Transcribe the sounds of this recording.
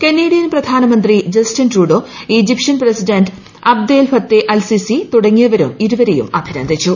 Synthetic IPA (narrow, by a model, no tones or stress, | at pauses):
kenːeːɽijɐnprɐd̪ʱaːnɐmɐnd̪rid͡ʑɐstɐnruːɖoid͡ʑipʂɐnprɐsiɖɐnɖ | ɐb̚d̪eːlfɐt̪ːeʔɐlsisit̪uɽɐŋːijɐʋɐɾumiɾuʋɐɾejṵmɐbʱiɾɐnd̪ʱit͡ɕːu